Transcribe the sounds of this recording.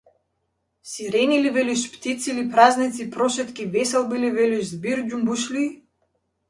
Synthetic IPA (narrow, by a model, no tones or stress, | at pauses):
siɾɛnilivɛliʃpt̪it̪silipɾaznit̪sipɾɔʃɛt̪kʲivɛsɛlˠbilivɛliʃzbiɾd͡ʒumbuʃli